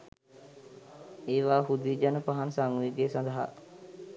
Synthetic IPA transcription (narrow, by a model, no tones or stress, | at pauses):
eːʋaːhud̪iːd͡ʒanəpaɦansaŋuiɡeːsɐ̃nd̪əɦa̰